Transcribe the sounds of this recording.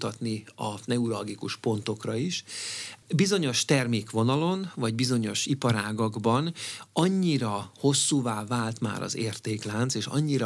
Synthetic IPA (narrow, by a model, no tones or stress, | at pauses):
t̪ɒt̪niɒnɛuɾɒlɡikuʃpo̞nt̪o̞krɒiʃ | bizo̞ɲo̞ʃt̪ɛrmeːkʋo̞nɒlo̞nvɒɟbizo̞ɲo̞ʃipɒɾaːɡɒɡbɒnɒɲːiɾɒho̞sːuːvaːvaːlt̪ma̰ːɾɒ̰zeːrt̪eːklaːnt̪seːʃɒ̰ɲːiɾɒ